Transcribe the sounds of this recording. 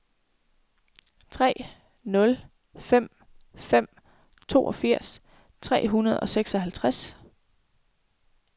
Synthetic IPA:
t͡sʰʁɛ̰ː | nɔ̽l | fem̰ | fem̰ | t͡sʰo̝̰ːɒ̽fiɐ̰s | t͡sʰʁɛ̰ːɦunɐð̞ˠɒ̽seɡ̥sɒ̽ɦælt͡sʰʁas

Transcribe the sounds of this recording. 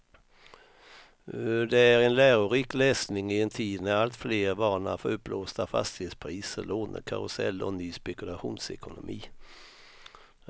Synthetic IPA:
d̪ɛæɾɛnlæːɾʊɾiːklɛːsnɪŋɪɛnt̪ʰiːd̪nɛɾalt̪fleːɾvɑːɳa̰fəɾɵpːloːst̪afa̰st̪ɪheːt̪spʰɾiːsəɾloːnə̰ɾkʰa̰ɾʊsɛ̰lːɔ̰nyːspɛkɵlaɧṵːnsɛkʊnʊmʔiː

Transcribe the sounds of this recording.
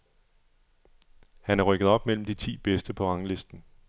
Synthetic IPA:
hænæɐʁœɡ̥əð̞̩ˠɒ̽b̥mel̰m̩d̥it͡sʰḭːb̥esd̥əpʰɒ̽ɑ̈ŋle̝sd̥n̩

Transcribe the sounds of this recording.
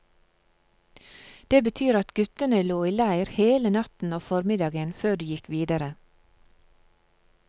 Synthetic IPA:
d̪̥eːbət̪ʰyːɾɑt̪ɡʉt̪ənəloːiːlæɪɾheːlənɑt̪n̩oːfɔɾmɪd̪ɑːɡənføːɖyːjɪkʋiːd̪əɾə

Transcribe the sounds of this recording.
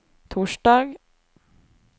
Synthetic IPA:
t̪ʰuːʂɖɑːɡ

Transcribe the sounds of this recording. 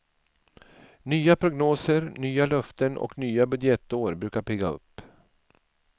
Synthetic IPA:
nyːapʰɾʊɡnoːsəɾnyːalœft̪ənʔɔ̰knyːabɵd̪jɛt̪ːoːɾbɾʉːkaɾpʰɛːɡaɵ̰pː

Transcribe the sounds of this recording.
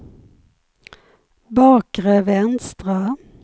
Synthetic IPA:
bɑːkʁəvɛnst̪ʁa

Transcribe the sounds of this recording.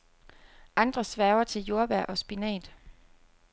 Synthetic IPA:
ʔɑ̈nd̥ʁɐsʋæːɐʊɐt͡sʰe̝ljo̝ɐb̥æɐ̰ʔɒ̽sb̥inɛ̰ːd̥

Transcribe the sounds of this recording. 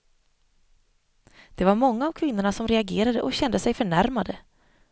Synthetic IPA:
d̪̥ɛvaɾmɔŋːaːvkʰvɪnːʊɳasɔmɾɛaɡeːɾad̪əʔɔɕɛnd̪əsɛjfœɳæɾmad̪ə

